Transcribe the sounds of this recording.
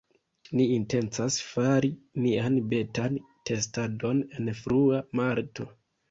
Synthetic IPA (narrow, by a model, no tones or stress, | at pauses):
niːnte̞nt͡sasfaɾinianbe̞tan | te̞stado̞ne̞nfɾuamaɾto̞